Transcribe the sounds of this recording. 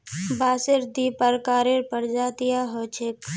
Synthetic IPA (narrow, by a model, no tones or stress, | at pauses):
baːseɾd̪ipəɾkaːɾeɾpəɾd͡ʒaːt̪ijaɦot͡ʃʰek